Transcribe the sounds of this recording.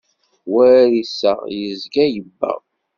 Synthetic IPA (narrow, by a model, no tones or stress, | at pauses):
wæɾisæ̰jəzɡæjəbːæ̰ʁ